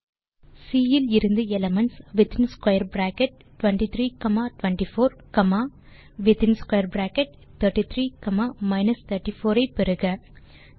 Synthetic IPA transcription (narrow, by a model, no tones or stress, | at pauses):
siːjɪlɪɾɯnd̪ɯɛlɐmɐɳsʋɪt̪ɪnskwɐjɐɾbɾaːkɛʈ̚ːʊʋɐɳʈit̪ɾiːkɐmaːʈʊʋɐɳʈifoːɾkɐmaː | ʋɪt̪ɪnskwɐjɐɾbɾaːkɛʈ̚ | t̪ɐɾʈit̪ʰɾiːkɐmaːmɐɪnɐst̪ʰɐʈːifoːɾɐɪpɛɾɯɣɐ